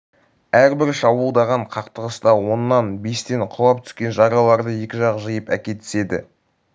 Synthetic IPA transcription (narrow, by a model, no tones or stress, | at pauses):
æɾbɪɾʃɑbəlˠd̪ɑʁɑɴqʰɑqt̪əʁəst̪ɑwo̞nːɑnbe̞st̪e̞ɴqʰʊlˠɑp̚t̪ʰʏ̥skʲe̞nʒɑɾɑlˠɑɾd̪əje̞kʲɪʒɑʁəʒəjəpækʲe̞t̪ɪ̥se̞d̪ɪ̰